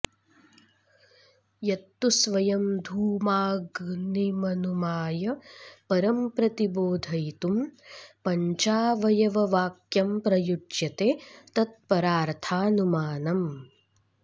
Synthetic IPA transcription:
jɐt̪ːusʋɐjɐmd̪ʱuːmaːɡnimɐnumaːjɐpɐɾɐmpɾɐt̪iboːd̪ʱɐjt̪umpɐɲt͡ʃaːʋɐjɐʋɐʋaːkjɐmpɾɐjuɖjɐt̪eːt̪ɐt̪̚pɐɾaːɾt̪ʰaːnumaːnɐm

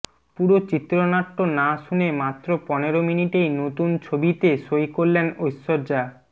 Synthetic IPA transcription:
puɾot͡ɕit̪ːɾonaʈːonaʃunemat̪ːɾopɔneɾominiʈejnot̪unt͡ɕʰobit̪eʃojkoɾlenojsːoɾd͡ʑa

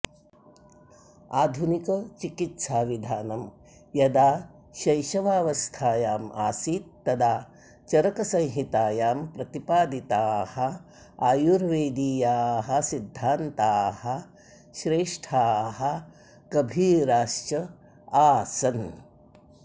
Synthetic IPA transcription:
aːd̪ʱunikɐt͡ʃikit̪saːʋid̪ʱaːnɐm | jɐd̪aː | ʃɐjʃɐʋaːʋɐst̪ʰaːjaːmaːsiːt̪̚ːɐd̪aː | t͡ʃɐɾɐkɐsɐ̃ŋ̃ɦit̪aːjaːmpɾɐt̪ipaːd̪it̪aːhɐ | aːjuɾʋeːd̪iːjaːɦɐ̆sid̪ʱːaːnt̪aːhɐ | ʃɾeːʂʈʰaːɦɐ | kɐbʱiːɾaːʃt͡ʃɐ | aːsɐn

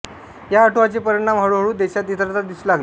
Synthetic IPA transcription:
jaːʈʰoʋat͡sepəɾiɽ̃amɦəɭuɦəɭɽuːd̪eɕat̪it̪ɾat̪ad̪islaɡl

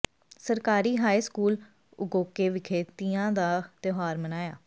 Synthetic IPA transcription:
səɾkaːɾiːɦaːiskuːl | ʊɡoːkeːʋɪkʰeːt̪ijãːd̪aːt̪joɦaːɾmənaːjaː

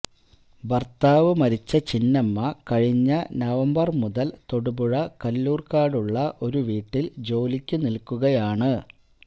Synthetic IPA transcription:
bɐrt̪aːʋɨmɐɾit͡ɕːɐt͡ɕinːɐmːɐkɐɻiɲːɐnɐʋɐmbɐrmuðɐlt̪o̞ɽubuɻɐkɐlːuːrkaːɽuɭːɐʔo̞ɾuʋiːʈːild͡ʑo̞ːlikʲːɨnilkːuɣɐjaːɳɨ

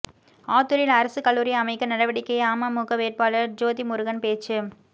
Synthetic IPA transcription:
aːt̪ɯɾɪlɐɾɐsɯkɐɭːuːɾɪjɐɐmɐɪkːɐnɐɽɐʋɐɽɪkːɐjɐaːmɐmuɣɐʋeːɾpaːlɐɾd͡ʒoːðimʊɾɯɣɐnpeːt͡ʃːɯ

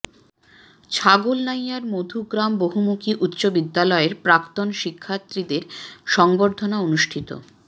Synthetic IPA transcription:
t͡ɕʰaɡolnajaɾmod̪ʱuɡɾamboɦumukiʔut̪ːɕobid̪ːalɔeɾpɾakt̪onʃikʰːat̪ːɾid̪eɾʃɔŋboɾd̪ʱonaonuʃʈʰit̪o̰

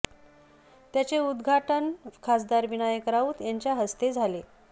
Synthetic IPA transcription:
t̪jat͡seud̪ɡʱaʈənkʰasd̪aɾʋiɳ̃ajəkəɾaʋuːt̪jaɲt͡ɕjaɦəst̪ed͡zʱale

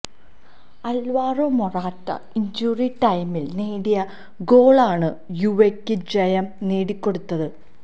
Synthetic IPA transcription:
ɐlʋaːromoraːtːɐ̰ | iɲd͡ʑuːriʈɐjmilneːɽijɐ | ɡo̞ːɭaːɳɨjuʋekːɨd͡ʑɐjɐmneːɽikʲːo̞ɽut̪ːɐðɨ

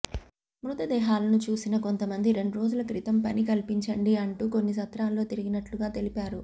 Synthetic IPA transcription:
mɾut̪ɐd̪ɛːɦaːlɐnut͡ʃuːsinɐko̞nt̪ɐmɐnd̪iɾe̞ɳɖuɾo̞ːd͡ʒulɐkɾit̪ɐmpɐnikɐlipiɲt͡ʃɐɳɖiɐɳʈuko̞nːisɐt̪ɾaːlːo̞ːt̪iɾiɡinɐʈluɡaːt̪e̞lipaːɾu

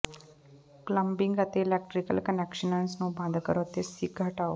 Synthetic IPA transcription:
kləmbiŋɡat̪eːlɛk̚ʈɾikəlkənɛkɕənãnsnũbʱãd̪kəɾot̪esik̚ɡʱəʈaʋ

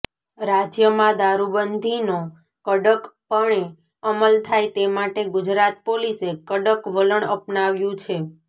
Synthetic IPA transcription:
ɾad͡ʒjəmãd̪aɾubənd̪ʱino | kəɖəkpəɳ̃e | əməlt̪ʰajt̪emaʈeɡʊd͡ʒɾat̪polisekəɖəkʋələɳəpnaʋjũt͡ʃʰe

